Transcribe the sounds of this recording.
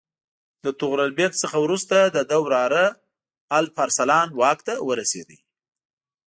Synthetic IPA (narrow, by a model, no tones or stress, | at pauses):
d̪ət̪ʊɣɾalbet̪səxawɾust̪ad̪əd̪əwɾɑɾə | alfaɾsalɑnwɑkt̪awəɾasḛd̪ḭ